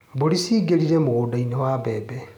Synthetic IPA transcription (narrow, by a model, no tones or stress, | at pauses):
boɾisiɡeɾiɾemoɣoːdainɔwabɛːbɛ